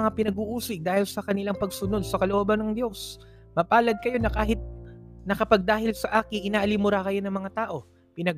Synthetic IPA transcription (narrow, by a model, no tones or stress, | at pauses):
ŋapɪnɐɡuːʔuːsɪk̚d̪aːhɪlsɐkɐnɪlaŋpɐɡsʊno̞d̪̚sɐkɐloʔoːbɐnɐŋd̪jo̞s | mɐpaːlɐd̪̚kɐjo̞nɐkaːɦɪt̪̚nɐkɐpɐɡ̚d̪aːɦɪlsɐʔaːkɪŋʔɪnaːʔɐlimʊɾakɐjo̞nɐŋmɐŋat̪aːʔo̞ | pɪnɐɡ